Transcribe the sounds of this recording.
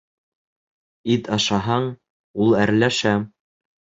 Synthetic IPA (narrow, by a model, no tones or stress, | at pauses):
it̪ɑʃɑɦɑɴ | ulˠæɾlæʃæ